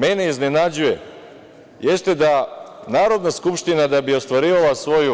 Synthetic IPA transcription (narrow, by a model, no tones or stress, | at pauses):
me̞ne̞iznenad͡ʑuje̞ | je̞st̪e̞d̪anaːɾo̞d̪naskupʃt̪inad̪abio̞st̪ʋaɾiːʋalˠasʋo̞ju